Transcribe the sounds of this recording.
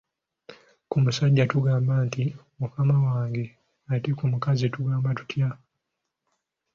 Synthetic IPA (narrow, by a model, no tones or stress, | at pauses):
kumusaɟːatuɡaːmbanti | mukamawaːŋɡe̞ | atikumukazituɡaːmbatu̥tʰja